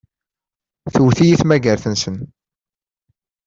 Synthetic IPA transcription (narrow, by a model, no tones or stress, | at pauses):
θuwθijiθmæɡəɾθənsən